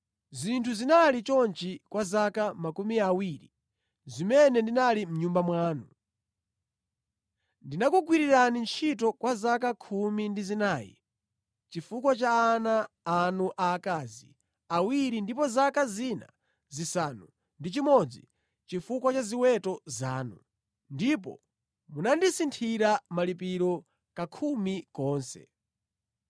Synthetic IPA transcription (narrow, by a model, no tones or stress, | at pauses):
zintʰuzinalit͡ʃɔnt͡ʃikwazakamakumiawiɾḭ | zimɛnɛndinalim̩ɲumbamwaːnu | ndinakuɡwiɾiɾanint͡ʃʰitɔkwazakakʰumindizinaːjḭ | t͡ʃifukwat͡ʃaːnaː | nuʔaːkazḭ | awiɾindipɔzakazina̰ | zisanu | ndit͡ʃimɔd͡zi | t͡ʃifukwat͡ʃaziwɛtɔzaːnu | ndip̬ɔ̰ | munandisintʰiɾamalipiɾɔ | kakʰumikɔːnsɛ̰